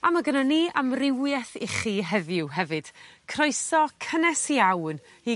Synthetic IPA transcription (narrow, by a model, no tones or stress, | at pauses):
amaɡənaniːʔamrɪwjɛθiχiːɦɛðʊwɦɛvɨd̥kʰrɔɨsɔkʰənɛsiawn | i